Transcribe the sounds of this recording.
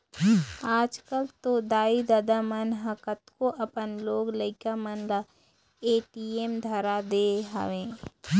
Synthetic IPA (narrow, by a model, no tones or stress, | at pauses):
aːd͡ʒkəlt̪od̪aːid̪ɐd̪amənɦɐkət̪koʔɐpənloːɡləɪkamənla | eːʈieːmd̪ʱɐɾad̪eːɦɐ̰ʋẽː